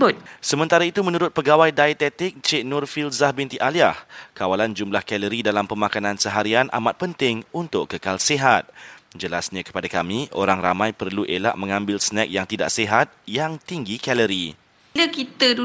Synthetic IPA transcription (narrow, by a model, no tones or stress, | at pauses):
bʊt̪̚səmə̃nt̪aɾait̪umə̃nuɾʊt̪̚pəɡawajdajt̪ɛt̪ɪk̚t͡ʃeʔnɔrfilzahbint̪iʔaliahkawaland͡ʒumlahkɛləɾidalampəmakanãnsəɦaɾianʔa̰mat̪̚pənt̪ɪŋunt̪ʊkkəkalseɦat̪̚d͡ʒəlasɲãkə̥padakamĩʔo̰ɾaŋra̰mãjpərluʔela̰ʔmə̃ŋãmbɪlsənɛk̚jaŋt̪ida̰ʔseɦat̪̚jaŋt̪iŋɡikɛləɾi | ləkit̪ədu